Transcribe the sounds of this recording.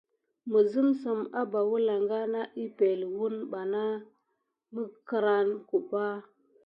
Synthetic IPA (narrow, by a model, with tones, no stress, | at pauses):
mə˨zə˦msə˨ma˦ba˨wu˦la˨ŋɡa˦na˦ʔi˦pe˨lwu˦nɓa˨na˦ | mə˦kə˨ɾa˦nku˨ɓa˦